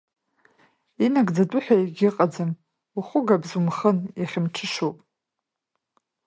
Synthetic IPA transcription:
inaɡʼd͡zadʷʼʊħʷᶣaiɡʲɪqʼad͡zɨn | uχʷʊɡabzumχənjaχʲɪmʈ͡ʂʰɨʂowpʼ

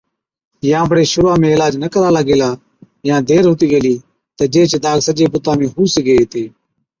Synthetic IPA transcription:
jãːbəɽeːʃʊɾãːmẽːɪlaːd͡ʒnəkəɾaːlaːɡeːlaː | jãːd̪eːɾɦʊt̪iːɡeliː | t̪əːd͡ʒeːt͡ʃd̪aːɡsəd͡ʒeːpʊt̪aːmẽːɦuːseːɡeːeːt̪eː

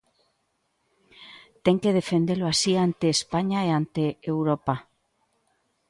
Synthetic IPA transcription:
t̪eŋkeð̞efend̪eloasiant̪eːspaɲaeant̪eewɾopa

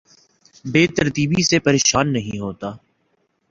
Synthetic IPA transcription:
beːt̪əɾt̪iːbisepəɾeːʃaːnːɐɦĩɦoːt̪aː

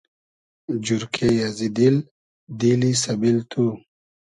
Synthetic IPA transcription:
d͡ʑuɾkʰejazid̪il | d̪ilisɐbilt̪ʰu

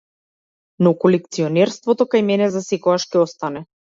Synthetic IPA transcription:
nɔkɔlɛk̚t̪siɔnɛɾst̪vɔt̪ɔkajmɛnɛzasɛkɔɡaʃcɛɔst̪anɛ

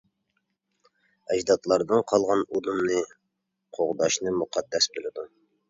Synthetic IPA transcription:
ɛd͡ʒd̪ɑt̪lˠɑɾd̪ɨnqʰɑlˠʁɑnud̪umnɨ | qʰoʁd̪ɑʃnɨmuqʰɑd̪ːɛsbelˠɪd̪u

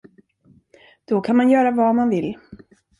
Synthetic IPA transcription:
d̪̥ɔkʰanmanjœːɾavamanvɪl

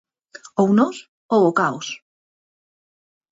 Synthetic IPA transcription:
ownos | owokaos

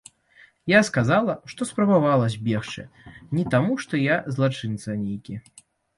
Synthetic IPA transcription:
jaskazalˠɐʂt̪ɔspɾɐbavalˠɐzʲbʲɛxt͡ʂɨ̰nʲit̪amuʂt̪ɔjazlˠat͡ʂɨnt̪sɐnʲejkʲi

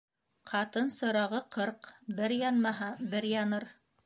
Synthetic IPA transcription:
qʰɑt̪ɤnsɤ̆ɾɑʁɤqʰɤɾqbɘɾjɑnmɑɦɑbɘɾjɑnɤɾ

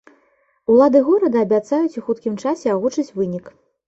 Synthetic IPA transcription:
ulˠad̪ɨɣɔɾɐd̪ɐːbʲat̪sajut͡sʲuxut̪kʲimt͡ʂasʲɛaɣut͡ʂɨt͡sʲvɨnʲik

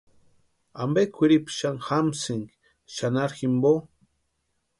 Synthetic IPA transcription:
ambekʰʷiɾipʃaŋxamsiŋk | ʃanaɾximbo

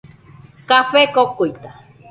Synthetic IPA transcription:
kafekokojt̪a

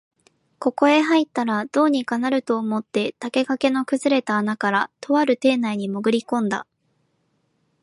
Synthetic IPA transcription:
ko̞ko̞e̞ɦait̪ːaɾad̪̥o̞ːɲ̟ikanaɾɯ̟t̪o̞ːmo̞t̪ːe̞t̪ake̞kake̞no̞kɯ̟zɨɾe̞t̪aːnakaɾat̪ʰo̞βaɾɯ̟t̪e̞ːnaiɲ̟imo̞ɡɯ̟ɾʲikõ̞nd̪a̰

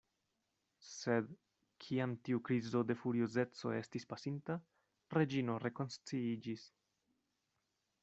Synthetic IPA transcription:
se̞d | kʰiamtiukɾizo̞de̞fuɾioze̞t͡so̞̰e̞stispasinta | ɾe̞d͡ʒino̞ɾe̞ko̞nst͡siid͡ʒis

